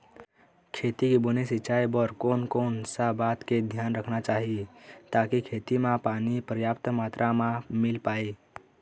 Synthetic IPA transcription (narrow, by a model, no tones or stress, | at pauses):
kʰeːt̪ikibonesit͡ʃaːebɔɾkoːnkoːnsabaːt̪ked̪ʱjaːnɾəkʰnat͡ʃaːɦit̪aːkikʰeːt̪imãpaːnipɾəjaːpt̪maːt̪ɾʔamãmɪlpaːi